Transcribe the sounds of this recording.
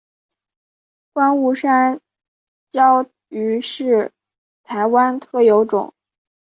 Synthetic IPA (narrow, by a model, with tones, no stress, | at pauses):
kwa˥nu˥˩ʂa˥n | t͡ɕjɑ˥ʊ | y˧˥ʂɻ̩˥˩ | t̪ʰa˧˥ɪwa˥nt̪ʰɤ˥˩jo˧˥ʊʈ͡ʂʊ̰˨˩˦ŋ